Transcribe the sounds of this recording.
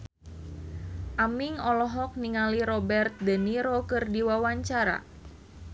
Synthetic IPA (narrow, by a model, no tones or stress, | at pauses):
ʔamiŋɔlɔɦɔk̚niŋaliɾɔbɛrt̪̚dəniɾokɨrdiwawaɲt͡ʃaɾa̰